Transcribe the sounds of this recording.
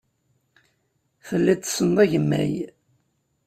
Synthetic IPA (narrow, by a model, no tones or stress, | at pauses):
θəlːit̪ːsənðˤæʝəmːæ̰j